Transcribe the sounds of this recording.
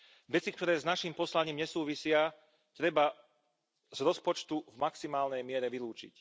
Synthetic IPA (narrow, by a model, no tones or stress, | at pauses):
ʋɛt͡sikt̪ɔɾɛːznaʃimpɔslaɲiːmɲɛsuːʋisɪa | t̪ɾɛba | z̥ɾɔspɔt͡ʃt̪uvmaksimaːlnɛjmɪɛɾɛʋiluːt͡ʃḭc